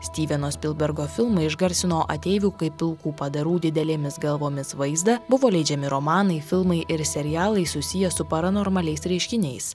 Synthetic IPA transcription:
sʲt̪ʲiːʋʲɛnoːsʲpʲɪlˠbʲɛɾɡoːfʲɪlˠmɐɪɪʒɡɐɾʲsʲɪnoːʔɐ̰t̪ʲɛːʋʲuːkɐɪpʲːɪlˠkuːpɐd̪ɐɾuːd̪ʲɪd̪ʲɛlʲeːmʲɪsɡɐlˠʋoːmʲɪsʋɐɪzd̪ɐbʊʋoːlʲɛɪd͡ʒʲɛmʲɪɾomɑːnɐɪfʲɪlˠmɐɪʔɪɾsʲɛɾʲɪjæːlˠɐɪsʊsʲɪjɛsʊpɐɾɐnoːɾmɐlʲɛɪsɾʲɛɪʃʲkʲɪnʲɛɪs

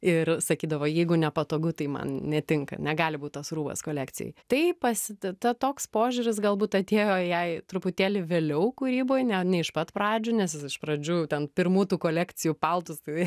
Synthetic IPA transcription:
ɪrsɐkʲiːd̪ɐʋoːjɛɪɡʊnʲɛpɐt̪oːɡʊt̪ɐɪmɐ̰nnʲɛt̪ʲɪŋkɐ̰nʲɛɡɑːlʲɪbuːt̪t̪ɐsruːbɐ̰skoːlʲæːkt͡s̪ʲɪjɛ̰ɪt̪ɐɪpɐsʲɪt̪t̪ɐt̪oːkspoːʒʲuːɾʲɪsɡɐlˠbuːt̪ɐt̪ʲeːjoːjɛɪt̪ɾʊpʊt̪ʲeːlʲɪʋʲeːlʲɛʊkʊɾʲiːboːjnʲɛnʲɛɪʃpɐt̪pɾɑːd͡ʒʲʊnʲɛsɪsɪʃpɾɐd͡ʒʲuːt̪ʲɛnpʲɪrmuːt̪uːkoːlʲæːkt͡sʲɪjupɐlˠt̪ʊst̪ɐɪ

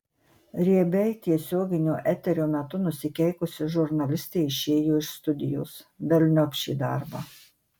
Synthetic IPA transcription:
ɾʲiɛbʲɛɪt̪ʲiɛsʲoːɡʲɪnʲoːʔɛt̪ʲɛɾʲoːmʲɛt̪ʊnʊsʲɪkʲɛɪkʊsʲɪʒʊɾnɐlʲɪsʲt̪ʲeːɪʃʲeːjoːɪʃst̪ʊd̪ʲɪjoːsbʲɛlʲnʲɔpʲʃʲḭːd̪ɑ̰ːˑɾbɑː

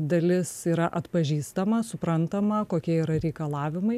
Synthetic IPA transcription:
d̪ɐlʲɪsiːɾɐʔɐt̪pɐʒʲiːst̪ɐmɐsʊpɾɐnt̪ɐmɐkoːkʲiɛiːɾɐɾʲɛɪkɐlˠɑːʋʲɪmɐɪ

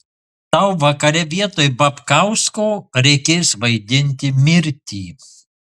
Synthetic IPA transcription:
t̪ɐʊʋɐkɐɾʲɛʋʲiɛt̪oːjbɐpkɐʊskoːɾʲɛɪkʲeːsʋɐɪd̪ʲɪnʲt̪ʲɪmʲɪɾʲt̪ʲiː

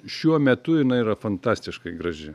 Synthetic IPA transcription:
ʃʲuɔmʲɛt̪ʊɪnɐɪiɾɐfɐnt̪ɑːsʲt̪ʲɪʃkɐɪɡɾɐʒʲɪ

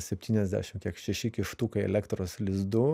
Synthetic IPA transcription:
sʲɛpʲt̪ʲiːnʲɛzʲd̪ʲæ̰ʃʲɪmkʲiɛkʃʲɛʃʲɪkʲɪʃt̪uːkɐɪɛ̰lʲɛkt̪ɾoːslʲɪzd̪ʊ

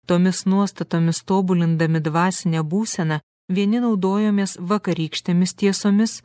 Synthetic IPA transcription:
t̪oːmʲɪsnuɔst̪ɐt̪oːmʲɪst̪oːbʊlʲɪnd̪ɐmʲɪd̪ʋɑːsʲɪnʲɛbuːsʲɛnɐ | ʋʲiɛnʲɪnɒʊd̪oːjoːmʲeːsʋɐkɐɾʲiːkʃʲt̪ʲeːmʲɪst̪ʲiɛsoːmʲɪs

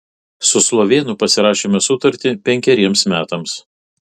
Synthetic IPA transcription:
sʊslˠoːʋʲeːnʊpɐsʲɪɾɑːʃʲeːmʲɛsʊt̪ɐɾʲt̪ʲɪpʲɛŋʲkʲɛɾʲiɛmsmʲæːt̪ɐms

